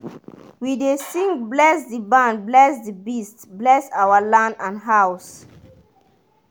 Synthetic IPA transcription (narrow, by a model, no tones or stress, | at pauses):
widesĩŋkblɛsdibãnblɛsdibistblɛsawalãndãnɦaʊs